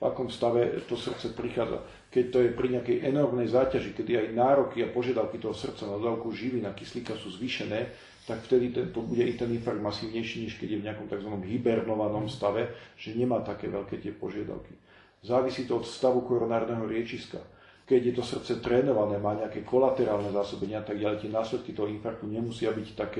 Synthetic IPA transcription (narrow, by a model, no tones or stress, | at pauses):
va̰kɔmst̪aʋɛt̪ɔsr̩t̪t͡sɛpɾixaːd͡za̰ | kɛc̚t̪ɔjɛpɾiɲɛakɛjʔɛnɔrmnɛjzaːcaʒikɛd̪iajnaːɾɔkiapɔʒɪad̪aʊkit̪ɔɦɔsr̩t̪t͡sanad̪ɔd̪aːʊkuʒiʋinakisliːkasuːzʋiːʃɛnɛː | t̪akft̪ɛd̪it̪ɛnt̪ɔbuɟɛit̪ɛninfaɡ̚d̪masiːʊɲɛjʃiːɲɛʃkɛɟjɛvɲɛakɔmt̪aɡzʋanɔmɦibɛɾnɔʋanɔmst̪aʋɛʒ̥ɛɲɛmaːt̪akɛ̰ːʋɛʎkɛːt̪ɪɛpɔʒɪad̪a̰ʊki | zaːʋisiːt̪ɔɔt̪st̪aʋukɔɾɔnaːɾɔd̪nɛːɦɔɾɪɛt͡ʃiska̰ | kɛɟjɛt̪ɔsr̩t̪t͡sɛt̪ɾɛːnɔʋanɛːmaːɲɛakɛːkɔlat̪ɛɾaːlnɛzaːsɔbɛɲɪaat̪aɡ̚ɟaʎɛjt̪ɪɛnaːslɛt̪̚kit̪ɔɦɔinfak̚t̪uɲɛmusɪabict̪akɛ